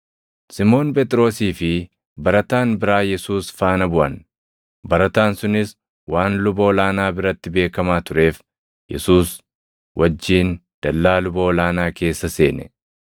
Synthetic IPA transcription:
sɪmo̞ːnpɛt̪ʼɾo̞ːsiːfɪ | bɐɾɐt̪aːnbɪɾaːjɛsuːsfaːnɐbʊʔɐn | bɐɾɐt̪aːnsʊnɪs | waːnlʊbɐɔlaːnaːbɪɾɐt̪ːɪbe̞ːkɐmaːt̪ʊɾe̞ːf | jɛ̰suːs | wʔɐd͡ʒːiːnd̪̥ɐlːaːlʊbɐɔlaːnaːke̞ːsːɐse̞̰ːnɛ̰

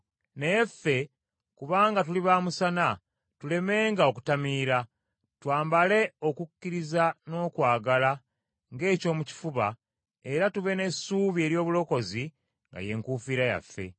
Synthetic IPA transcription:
ne̞jefe̞ | kuβaːŋɡat̬uliβaːmusana | tule̞me̞ːŋɡaoku̥tamiːɾa | twaːmbale̞o̞kucːiɾizano̞ːkwaːɡala | ŋɡe̞ːco̞ːmuci̥fuβa | e̞ɾatuβe̞ne̞suːβie̞ːɾjo̞ːβulo̞ko̞zi | ŋɡa̰je̞ŋkuːfiɾaja̰fːe̞̰

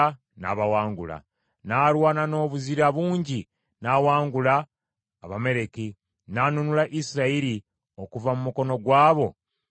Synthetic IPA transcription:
na̰βawaːŋɡṵla̰ | naːɾwaːnano̞ːβuziɾaβuːɲɟi | nawaːŋɡulaː | βame̞ɾe̞ki | nanunulaʔisiɾaiɾi | o̞kuvamumuko̞no̞ɡwaːβo̞

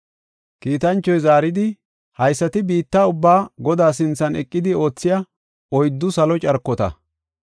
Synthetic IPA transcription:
kiːt̪ɐnt͡ʃːɔjzaːɾɪd̪ɪ | hɐjsːɐt̪ɪbiːt̪ːaːʊbːaːɡɔd̪aːs̬ɪnt͡sːɐnɛkʼːɪd̪ɪo̞ːt͡sːɪjɐ | ɔjd̪ːʊsɐlɔt͡ʃʼɐɾkːɔt̪ɐ̰

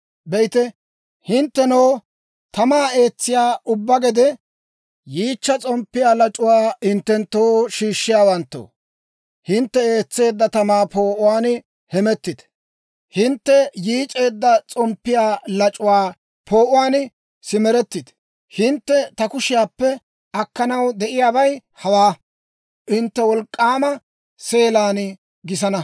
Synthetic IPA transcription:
bɛjɪt̪ɛ | hɪnt̪ːɛnɔw | t̪ɐmaːe̞ːt͡sːɪjaːʔʊbːɐɡɛd̪ɛ | jiːt͡ʃːɐt͡sʼɔmpːɪjaːlɐt͡ʃʼʊwaːhɪnt̪ːɛnt̪ːoːʃiːʃːɪjaːwɐnt̪ːo̰ː | hɪnt̪ːɛeːt͡sːe̞ːd̪ːɐt̪ɐmaːpo̞ːʔʊwaːn | hɛmɛt̪ːɪt̪ | hɪnt̪ːɛjiːt͡ʃʼe̞ːd̪ːɐt͡sʼɔmpːɪjaːlɐt͡ʃʼʊwaː | pʰoːʔʊwaːn | sɪmɛɾɛt̪ːɪt̪ | hɪnt̪ːɛt̪ɐkʊʃɪjaːpːɛ | ɐkːɐnɐwd̪ɛʔɪjaːbɐj | hɐwaː | ʔɪnt̪ːɛwɔlkʼːaːmɐ | se̞ːlaːn | ɡɪs̬ɐnɐ

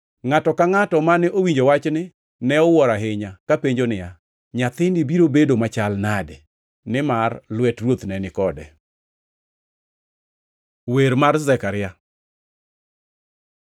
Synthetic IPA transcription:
ŋatɔkaŋatɔmanɛʔowiɲd͡ʒowat͡ʃnɪ | nɛɔwɔɾaɦɪɲakapeɲd͡ʒonɪja | ɲat̪ɪndɪbiɾobedomat͡ʃalnadɛ | nɪmarlwɛtrwot̪nɛnɪkɔdɛ | weɾmarzɛkaɾɪja

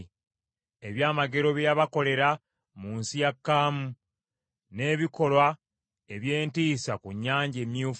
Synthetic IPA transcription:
eβjaːmaɡe̞ɾo̞βjaβako̞le̞ɾa | muːnsijakːaːmu | ne̞ːβiko̞lwa | eβje̞ːntiːsakuɲːaːɲɟe̞mjuːf

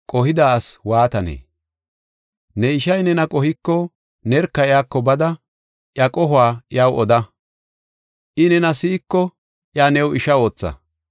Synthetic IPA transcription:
kʼɔɦɪd̪aswaːt̪ɐnḛː | nɛɪʃɐjnɛnɐkʼɔhɪkːɔ | nɛɾkːɐɪjaːkːɔbɐd̪ɐ | ʔjɐkʼɔɦʊaːʔɪjawɔd̪ɐ | ʔɪnɛnɐsiːkːɔ | ʔjaːnɛwɪʃɐo̞ːt͡sːɐ̰

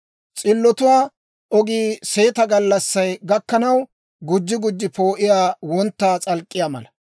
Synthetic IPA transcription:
t͡sʼɪlːɔt̪ʊwaː | ʔɔɡiːse̞ːt̪ɐɡɐlːɐsːɐjɡɐkːɐnɐw | ɡʊd͡ʒːɪɡʊd͡ʒːɪpo̞ːʔɪjaːwɔnt̪ːaːt͡sʼɐlkʼːɪjaːmɐ̰lɐ

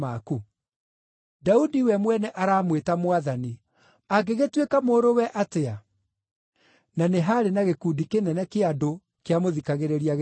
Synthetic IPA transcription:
maku | daudiwɛmwɛnɛʔaɾaːmwetamoaðani | aɡeɣetwekamoːɾowɛʔatea | naneɦaɾenaɣekudikenɛnɛkeado | keamoðikaɣeɾeɾiaɣ

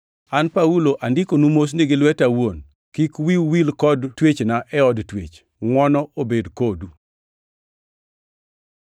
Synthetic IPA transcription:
anpauloʔandɪkonumos̬niɡɪlwɛtawon | kikwiwilkɔdtwet͡ʃnaʔɛɔdtwḛt͡ʃ | ŋwɔnɔobedkodu

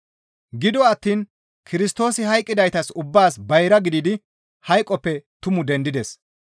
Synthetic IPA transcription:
ɡɪd̪ɔɐt̪ːiːn | kʰɪɾɪst̪o̞ːsɪhɐjkʼːɪd̪ɐjt̪ɐsʊbːaːsbɐjɾɐɡɪd̪ɪd̪ɪ | hɐjkʼːɔpːɛt̪ʊmʊd̪ɛnd̪ɪd̪ɛs

